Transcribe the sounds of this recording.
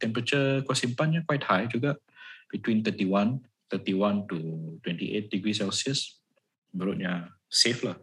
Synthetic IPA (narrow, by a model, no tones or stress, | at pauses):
t̪ɛ̃mpəɾat͡ʃəkasĩmpãnɲakwajt̚hajd͡ʒuɡaʔ | b̥itwĩnt̪ətiwãn | t̪ətiwãntutwɛ̃ntiʔet̚diɡɹisɛlsiəs | bəɾut̚ɲaseflah